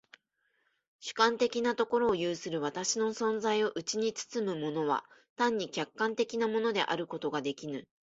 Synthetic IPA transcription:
ɕɨ̥kãnt̪e̞kʲinat̪o̞ko̞ɾo̞ːjɯːsɨɾɯ̟βat̪aɕino̞sõ̞nzaio̞ʔɯ̟t͡ɕiɲ̟it͡sɨ̥t͡sɨmɯ̟mo̞no̞βa̰t̪ãɲ̟ːikʲakːãnt̪e̞kʲinamo̞no̞d̪e̞̰ʔa̰ɾɯ̟ko̞t̪o̞ɡad̪e̞kʲinɯ

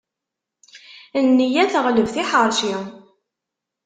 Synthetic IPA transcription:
ənːijæθəʁləvθiħəɾˤʃi

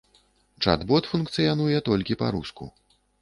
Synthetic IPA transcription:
t͡ʂa̰d̪bɔt̪funkt̪sɨjanujɛt̪ɔlʲkʲipa̰ɾuskṵ

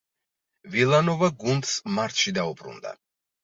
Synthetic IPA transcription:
vilˠanɔvaɡund̪smaɾt̪ʰʃid̪aupʼɾṵnd̪a̰

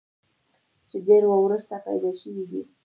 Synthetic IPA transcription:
t͡ʃɪdeɾwawɾust̪apa̰jd̪aʃəwid̪ḭ

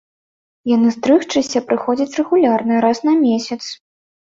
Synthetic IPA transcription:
janɨst̪ɾɨxt͡ʂɨsʲɐpɾɨxɔd͡zʲɐt͡sʲrɛɣulʲarnɨɾasnɐmʲesʲɐt̪s

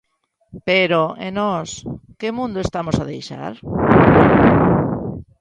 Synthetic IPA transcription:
peɾoḛnɔskemũnd̪oest̪amosaðejʃa̰ɾ

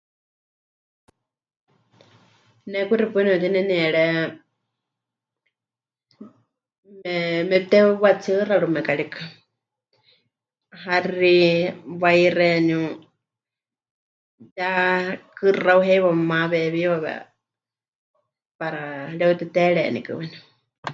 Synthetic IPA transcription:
nɛkuɾipɨnɛt̪inɛniɛɺɛ | mɛmɛt̪ɛwat͡sʰɨraɺumɛkaɺikʰḁ | ɦariβajrɛnũ | jakɨrauɦɛjwamaβɛβiβaβɛ̰ | paɾaɺɛut̪ɛt̪ɛɺɛ̰nḭkɨ̰wɛnu

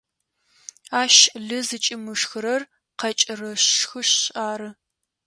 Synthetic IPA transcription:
aːʃɮɨzɨt͡ʃʼɪmɨʂxɨɾɐr | qɐt͡ʃʼɪrɐɕxɨɕɕaːɾɨ

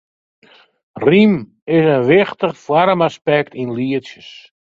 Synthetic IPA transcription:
rim | ɪsənʋɪχtəχfwaɾmaspɛk̚tinliəsjəs

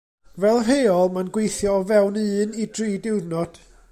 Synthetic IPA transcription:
vɛlˠɦeːɔlˠmanɡwejθjɔːvɛwnɨːnid̥riːdɪwdnɔd̥

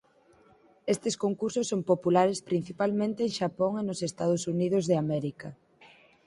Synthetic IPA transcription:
est̪eskoŋkuɾsʊsːompopulaɾespɾin̟θipalmẽnt̪eːŋʃapoŋenosest̪að̞ʊsunið̞ʊzðeamɛɾikɐ

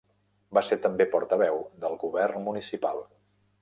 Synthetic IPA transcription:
baseɾt̪əmbepɔɾt̪əβ̞ɛwd̪əlˠɣuβɛrnmunisipalˠ

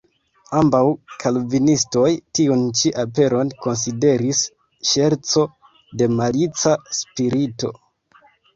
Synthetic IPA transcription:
ambawkʰalvinisto̞jtiunt͡ʃiʔape̞ɾo̞nko̞ns̬ide̞ɾis | ʃeɾt͡so̞ | de̞malit͡saspiɾito̞̰

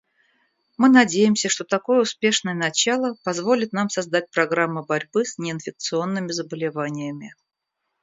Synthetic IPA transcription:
mɨnɐdʲejɪmsʲəʂt̪o̞t̪ɐko̞jəʊspʲe̞ʂnəjənɐt͡ɕalˠəpɐzvo̞lʲɪt̪̚namsɐzd̪at̚ʲpɾɐɡɾamːʊbɐɾʲbɨsnʲɪɪnfʲɪk̚t̪sɨo̞nːɨmʲɪzəbəlʲɪvanʲɪjəmʲɪ

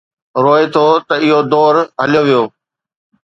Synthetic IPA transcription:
ɾoːet̪ʰot̪ɐɪɦod̪ɔːɾɦɐlɪjoʋijoː

